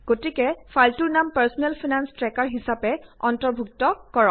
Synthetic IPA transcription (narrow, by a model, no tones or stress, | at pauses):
ɡ̥otikɛfaltuɹnampaɹsɔnɛlpʰinanstɹɛkaɹɦisapɛɔntɔɹbʱuk̚tɔkɔɹɔ̃